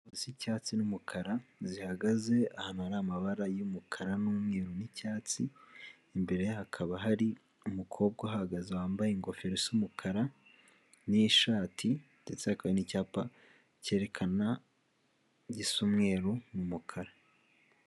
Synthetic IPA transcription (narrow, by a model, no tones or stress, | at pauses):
osicaːt͡sinumukʰaɾazihaɡaze̞ahanaɾamaβaɾajumukʰaɾanumŋeːɾunicaːt͡siː | mbe̞ɾe̞jhakʰaβaɦaɾi | umukʰo̞ːbɡwahahaɡazawaːmbajeŋɡo̞feɾesumukʰaɾa | niʃaːtʰinde̞t͡sehakaβenicaːpa | ce̞ɾe̞kʰana | ɟisumŋe̞ːɾumumukʰaɾa